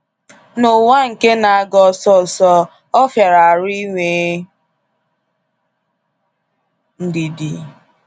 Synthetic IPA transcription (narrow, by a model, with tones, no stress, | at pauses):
no˨wa˦ŋ̩˨ke˦na˨a˦ɡɔ˨sɔ˦˨sɔ˦ | ɔ˦fja˨ɾa˨a˨ɾi˦ŋʷe˨ | n̩˦di˨di˨